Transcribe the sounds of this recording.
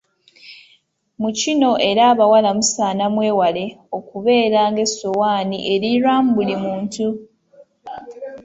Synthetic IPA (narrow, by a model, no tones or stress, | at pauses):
mucino̞ʔe̞ɾaːβawalamusaːnamwe̞ːwale̞o̞kuβe̞ːɾaːŋɡe̞sowaːniʔe̞ɾiɾaːmubulimuːntu